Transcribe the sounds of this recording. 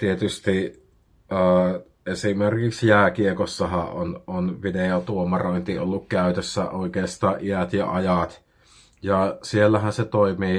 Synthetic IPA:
t̪iet̪yst̪i | ʔəː | ʔesimerkiksjæːkiekosːɑhɑ̰ʔʔononʋideot̪uomɑroˑint̪io̰lːukkæˑyt̪øsːæoˑikeˑːst̪ɑːʔʔiæt̪jɑ̰ɑjɑt̪ | jɑsielːæhænset̪oˑimiː

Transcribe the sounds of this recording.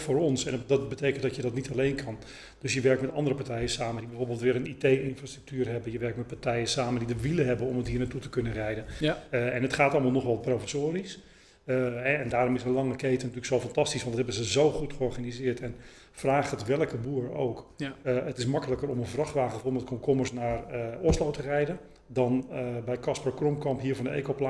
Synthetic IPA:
foːɾɔnsɛndɑt̚bətejkəntdɔtjədɔtnitalejnkʰɑn | d̥øsjəʋɛɹk̚tmɛtɑndəɾəpatɛjəsaːməndibɛjvoːɹbelˠtʋɪːɾənitejɪnfraːstry̥k̚tyːɾɦɛbənjəʋɛɹktmɛt̚patɛjəsaːməndidəʋiləɦɛbənɔmətɦiːɹnatutəkɵnərɛjdənɛnɦətχaːtɑlˠmalˠnɔχʋɛlˠprowfəsoːɾis | ɛɛndaːɾɔmɪsənlˠɑŋəkejtənatyːləksoːfantɑstisʋɑntdthɛbənzəzowχutχəɔrχanizɪəɹtɛn | fraːχətʋɛlˠəkəbuːəro̰wkətɪsmɑkələkərɔmənvrɑxtʋaːχəfolˠmətkɔnkʰɔməsnaːrɔslowtərɛjdə | dɑnbɛjkɑspərkrɔmkɑmpɦiəɹvɔndəḛːkowpla

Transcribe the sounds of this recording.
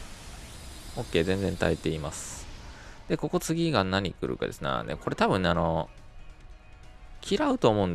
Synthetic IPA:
o̞kːe̞ːzẽ̞nd͡zẽ̞nt̪aet̪e̞imasɨ̥ | d̪̥e̞ko̞ko̞t͡sɨɡʲiɡanaɲ̟ikɯ̟ɾɯ̟̰ka̰d̪e̞sɨna̰nḛko̞ɾe̞t̪abɯ̟̃nːeano̞ | kʲiɾaɯ̟t̪o̞ːmo̞ɯ̃nd̪

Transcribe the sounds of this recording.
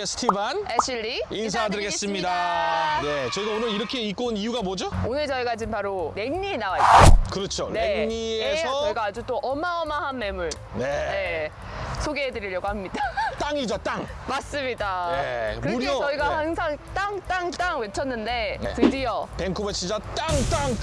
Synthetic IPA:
esʰɯ̥tʰibaneɕʰiʎːiins̬ʰadɯɾɡe̞s͈ɯmɲidane̞t͡ɕʌiɡaonɯɾiɾʌkʰe̞ik͈onijuɡabod͡ʑoonɯɭt͡ɕʌiɡad͡ʑinpaɾoɾe̞ŋɲienawait͈aokɯɾʌt͡ɕʰoneŋɲiesʰʌʌiɡaad͡ʑut͈oʔʌmaʌmaɦanme̞muɭ | ne̞ne̞ | sʰoɡeɦedɯɾiɾjʌɡohamɲidat͈aŋid͡ʑot͈aŋmas͈ɯmɲidaekɯmuɾioʌiɡahaŋsʰaŋt͈aŋt͈aŋt͈aŋwe̞t͡ɕʰʌnːɯnde̞tɯdijʌpe̞ŋkʰobet͡ɕʰid͡ʑat͈aŋt͈aŋ

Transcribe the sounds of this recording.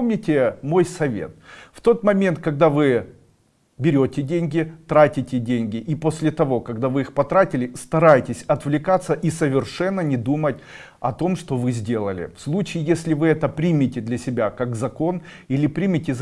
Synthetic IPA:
mnʲɪtʲɪmo̞jsɐvʲḛt̪̚ft̪o̞t̪mɐmʲe̞nt̪̚kɐɡ̚d̪avɨ | bʲɪɾʲotʲɪdʲenʲɡʲɪt̪ɾatʲɪtʲɪdʲenʲɡʲɪʔiposʲlʲɪt̪ɐvo̞kɐɡd̪avɨixpɐt̪ɾatʲɪlʲɪst̪ɐɾajtʲɪsʲɐt̪vlʲɪkat̪səʔisəvʲɪrʂɛnːənʲɪd̪umətʲ | ɐ̰t̪o̞mʂt̪o̞vɨzʲdʲe̞lˠəlʲɪ̰fslˠut͡ɕɪːjesʲlʲɪvɨɛt̪əpɾʲimʲɪtʲɪd̪lʲɐsʲɪbʲakaɡzɐko̞n | ilʲɪpɾʲimʲɪtʲɪz

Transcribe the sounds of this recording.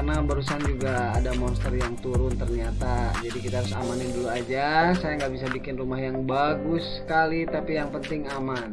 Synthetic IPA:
karnabəɾus̬and͡ʒuɡaːdamɔnst̪ərjaŋt̪uɾʊnt̪ərɲat̪ad͡ʒadikit̪aɦaɾʊsa̰manɪnduluad͡ʒasajaŋɡabis̬abikɪnrumahjaŋbaɡʊsə̥kalit̪apijaŋpənt̪ɪŋaman

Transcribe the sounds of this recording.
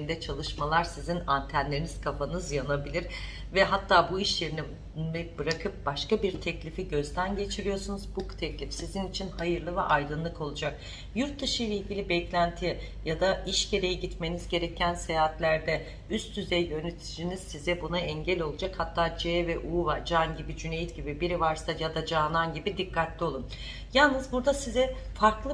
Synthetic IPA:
ind̪ɛt͡ʃʰalˠɯʃmalˠaɾsizinant̪ʰænlʲe̞ɾiniz̥kʰafanɯzjanabilʲiɾ̥ | vɛɦat̪ʰːaːbuiʃjeɾinɛ | ɛbɯɾakʰɯp̚b̥aʃkabiɾt̪ʰɛclʲifiɟø̞zd̪ænɟe̞t͡ʃʰiɾijo̞sunuzbukt̪ʰɛclʲifsizinit͡ʃʰinhajɯɾlˠɯvɛʔajd̪ɯnlˠɯko̞lˠud͡ʒak̚ | juɾt̪̚d̪ɯʃɯjlʲˠeilʲɟʲilʲibɛclʲænt̪ʰi | jad̪aiʃɟe̞ɾe̞jiɟit̪me̞nizɟe̞ɾecʰænsejaɦat̪lʲæɾd̪ɛ | yst̪ʰyzɛjjø̞net̪ʰid͡ʒiniz̥sizɛbunaɛɲɟɛlʲo̞lˠud͡ʒakhat̪ʰːaːd͡ʒɛːvɛʔuːvad͡ʒanɟibid͡ʒynejit̪ɟibibiɾivaɾsajad̪ad͡ʒaːnanɟibid̪ikʰːat̪lʲio̞lˠum | jalˠnɯzbuɾd̪asizɛfaɾklˠɯ

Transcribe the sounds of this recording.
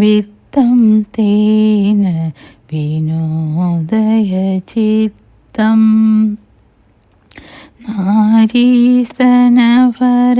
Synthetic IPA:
ʋit̪ːɐmt̪eːnɐ | ʋinod̪ɐjɐt͡ʃitt̪ːɐm | naːɾisɐnɐpɐɾ

